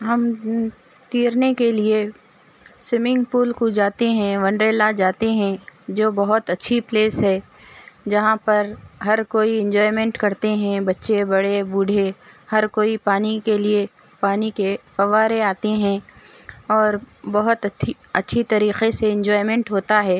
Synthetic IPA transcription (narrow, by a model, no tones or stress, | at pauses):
ɦɐm | t̪iːɾnekelie | sɪmɪ̃ŋɡpuːlkud͡ʒaːt̪eɦɛ̃ʋɐ̃ɳɖɾeːlad͡ʒaːt̪eɦɛ̃d͡ʒoːbɐɦʊt̪ɐtːʃʰipleːsɦɛː | d͡ʒɐɦãpɐɾɦɐɾkoːiɪ̃ɲd͡ʒɔːɪmɛ̃ɳʈkɐɾt̪eɦɛ̃bɐtːʃebɐɽebuːɖʱehɐɾkoːipaːnikelie | paːnikefɐʋaːɾeaːt̪eɦɛ̃ | ɔːɾbɐɦʊt̪ɐi | ɐtːʃʰit̪ɐɾiːqeseɪ̃ɲd͡ʒɔːɪmɛ̃ɳʈɦoːt̪aɦɛː